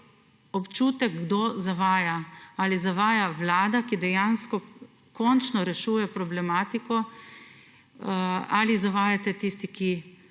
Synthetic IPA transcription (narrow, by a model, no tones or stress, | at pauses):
ɔpt͡ʃuːt̪ɛkɡd̪ozaʋaːjaalizaʋaːjaʋlaːd̪akid̪ɛjanskɔ | kɔnt͡ʃnɔɾɛʃuːjɛpɾɔblɛmaːt̪ikɔ | aːlizaʋaːjat̪ɛt̪ist̪iki